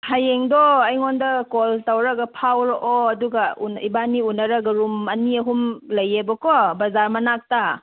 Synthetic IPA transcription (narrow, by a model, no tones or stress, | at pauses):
hajeŋdɔɐjŋondɐkoltawɾɐɡɐpʰawɾɔʔoɐduɡɐunḭbaniunːɐɾɐɡɐɾumɐniɐɦumlɐjebɔkɔbɐzaɾmɐnak̚ta